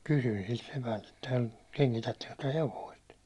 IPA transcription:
kysyĭn silt sepælt etːæ keŋkitætːeŋkø tyø heʋoist

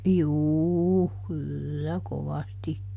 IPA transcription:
juːu kylːæ koʋɑstikːi

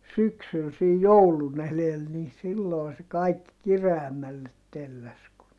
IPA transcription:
syksyl sej joulun elel ni silːoˑi se kɑikːi kireæmːælːet telːæs ku

